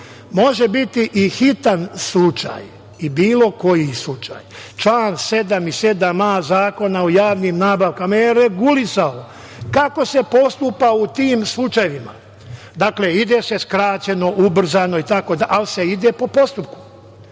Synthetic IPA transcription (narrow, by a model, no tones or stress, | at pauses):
mo̞ʒe̞bit̪iʔixit̪anslut͡ʃa̰j | ibiːlo̞ko̞jislut͡ʃa̰ːjt͡ʃlaːnse̞d̪amise̞d̪amazaːko̞naojaːʋniːmnaːbaʋkamajeɾeɡulisao | kako̞se̞po̞st̪upaut̪iːmslˠut͡ʃajeʋima̰ | d̪akle̞id̪ese̞skɾaːt͡ɕe̞no̞ʔubr̩zano̞it̪ako̞d̪aʔalise̞id̪e̞po̞po̞st̪up̚ku̥